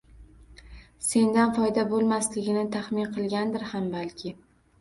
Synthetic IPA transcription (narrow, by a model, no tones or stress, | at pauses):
se̞nd̪anfɒjd̪abolˠmaslɪɡʲɪnɪt̪ʰaχmɪnqʰɨlˠɡʲand̪ɪɾhambalkʲʰɪ